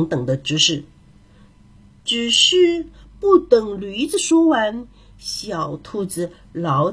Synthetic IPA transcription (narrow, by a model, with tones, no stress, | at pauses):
ŋt̪ɤ˨˩ŋd̪ə˦ʈ͡ʂɻ̩˧˥ʂɻ̩˥˩ | ʈ͡ʂɻ̩˨˩ʂ̩˥˧pu˥˩t̪ɤ˨˩ŋly˧˥t͡sɹ̩˧ʂwɔ˥wa˧˥n | ɕjɑ˨˩ʊt̪ʰu˥˩t͡sɹ̩˧ | lɑ˧˥ʊ